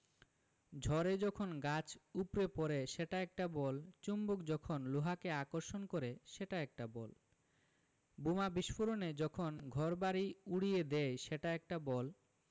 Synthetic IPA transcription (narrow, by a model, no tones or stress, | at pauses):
d͡ʑʱɔɾed͡ʑɔkʰonɡat͡ɕupɾepɔɾeʃeʈaɛk̚ʈabɔlt͡ɕumbokd͡ʑɔkʰonluɦakeakoɾʃonkoɾeʃeʈaɛk̚ʈabɔ̰l | bumabiʃfoɾoned͡ʑɔkʰonɡʱɔɾbaɾiuɽijed̪eʃeʈaɛk̚ʈabɔl